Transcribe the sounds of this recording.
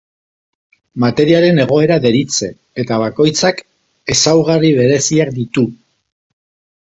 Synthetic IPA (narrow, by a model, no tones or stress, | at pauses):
mat̪e̞ɾiaɾe̞ne̞ɣ̞o̞e̞ɾaðe̞ɾit͡se̞ | et̪aβ̞ako̞jt͡sak | e̞sawɣariβ̞e̞ɾe̞siak̚d̪it̪u